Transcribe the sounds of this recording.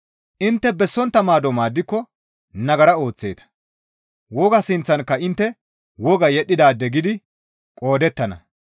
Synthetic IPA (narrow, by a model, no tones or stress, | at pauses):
ʔɪnt̪ːɛbɛsːɔnt̪ːɐmaːd̪ɔmaːd̪ːɪkːɔ | nɐɡɐɾɐo̞ːt͡sːe̞ːt̪ɐ̥ | wɔɡɐsɪnt͡sːɐnkːɐɪnt̪ːɛ | wɔɡɐjɛɗːɪd̪aːd̪ːɛɡɪd̪ɪ | kʼo̞ːd̪ɛt̪ːɐnɐ̰